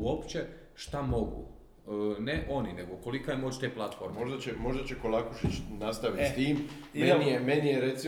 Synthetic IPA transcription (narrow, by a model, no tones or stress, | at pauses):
uopt͡ɕe̞ | ʃt̪amo̞ɡṵ | neʔo̞nine̞ɡoko̞likajemo̞ːt͡ɕt̪eːplˠat̪fo̞̰ːɾmemoʒd̪at͡ɕemo̞ʒd̪at͡ɕeko̞lˠakuʃit͡ɕnast̪aʋit̪st̪iːmmenijemenijeɾet̪si